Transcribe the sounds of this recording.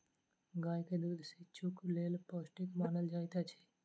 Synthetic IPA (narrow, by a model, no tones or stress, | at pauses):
ɡaːjked̪uːd̪ʱset͡ʃʰʊkleːlpoːsʈɪkmaːnəld͡ʒaːit̪at͡ʃʰe̥